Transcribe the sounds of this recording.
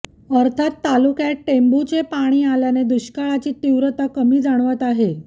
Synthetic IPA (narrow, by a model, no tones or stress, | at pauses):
əɾt̪ʰat̪ːalukjaʈembut͡ɕepaɽ̃iːaljaned̪uɕkaɭat͡ɕiːt̪iʋɾət̪akəmiːd͡zaɽ̃ʋət̪aɦe